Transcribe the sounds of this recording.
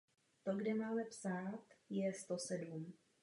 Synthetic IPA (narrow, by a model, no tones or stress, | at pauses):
t̪oɡdɛmaːlɛpsaːt̪jɛst̪o̞sɛdum